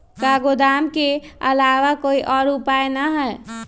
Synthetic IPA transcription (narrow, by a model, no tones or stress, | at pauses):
kaɡod̪amkeəlaʋakoiʔɔɾupajnaɦə